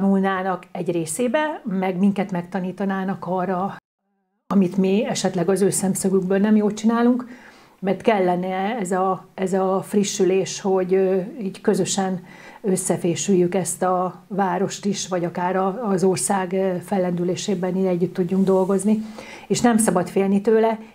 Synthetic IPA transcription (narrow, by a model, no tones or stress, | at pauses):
nulnaːnɒkɛɟreːseːbɛmɛɡmiŋkɛt̪mɛk̚t̪ɒniːt̪ɒnaːnɒkɒːrːɒ | ɒmit̪miɛʃɛt̪lɛɡɒzøːsɛmsøɡyɡ̚bøːlnɛmjoːlt͡ʃinaːluŋk | mɛrt̪kɛlːɛnɛɛzɒɛzɒfriʃːyleːʃho̞ɟiːɟkø̞zø̞ʃɛnø̞sːɛfeːʃyjːykɛst̪ɒvaːɾo̞ʃt̪iʃʋɒɟɒkaːɾɒːzo̞rsaːɡfɛlːɛnd̪yleːʃeːbɛnid̪ɛɟːyt̪ːuɟːuŋɡd̪o̞lɡo̞zni | eːʃnɛmsɒbɒt̪feːlnit̪øːlɛ